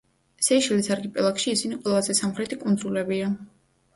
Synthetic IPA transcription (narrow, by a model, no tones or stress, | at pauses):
sɛiʃɛlisaɾɡipʼɛlˠakʃiːsiniqʼwɛlˠazɛsamχɾɛt̪ʰikʼund̪zulɛbia